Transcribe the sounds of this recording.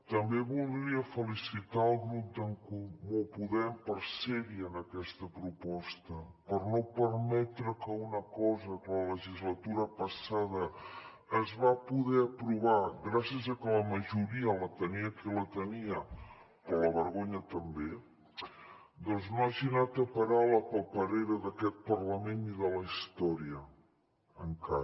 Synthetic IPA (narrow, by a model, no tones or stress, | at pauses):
t̪əmbeβulˠd̪ɾiəfəlisit̪aəlˠɣɾut̪̚d̪əŋkumupuðɛmpəɾsɛɾiənəkɛst̪əpɾupɔst̪əpəɾnopəɾmɛt̪ɾəkəunəkɔzəkələləʒizlət̪uɾəpəsaðəː | zβapuðɛəpɾuβaɣɾasiəzəkələməʒuɾiələt̪əniəkilət̪əniə | oləβəɾɣoɲət̪əmbe | d̪ɔnznoaʒinat̪əpəɾawləpəlˠpəɾeɾəðəkɛt̪̚pərləmeniðələist̪ɔɾiə | əŋka